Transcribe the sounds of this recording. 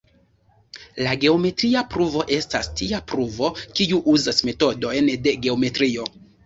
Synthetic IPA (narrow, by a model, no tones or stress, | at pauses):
laɡe̞o̞me̞tɾiapɾuvo̞ʔe̞stastiapɾuvo̞kiuʔuzasme̞to̞do̞jnde̞ɡe̞o̞me̞tɾio̞